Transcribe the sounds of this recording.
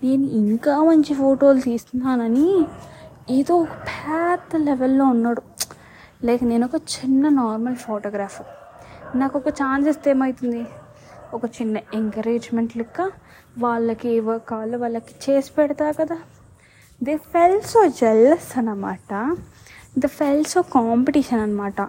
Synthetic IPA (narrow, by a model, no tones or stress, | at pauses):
neːniʔiŋkaːmɐɲt͡ʃipʰoːʈo̞ːlt̪iːst̪unːaːnɐni | ed̪oːɔkɐpʰaːt̪lɛʋɛlːo̞ːunːaːɽu | lɛːkɐne̞ːnɔkɐt͡ʃinːɐnaːɾmɐlpʰoːʈoːɡɾaːfɾ | naːkɔkɐt͡ʃaːnsisʈ̪eːmɐjit̪und̪i | ɔkɐt͡ʃinːɐeŋkɐɾeːd͡ʒmeɳʈlikːaː | ʋaːɭːɐkieʋɐkaːlɐʋaːɭːɐki̥t͡ʃeːsi̥pɛɽɐt̪aːkɐd̪aː | d̪eːpʰelsoːd͡ʒɛlɐsɐnɐmaːʈɐ | d̪ɐpʰelsoːkaːmpeʈiːʃɐnɐnːɐmaːʈɐ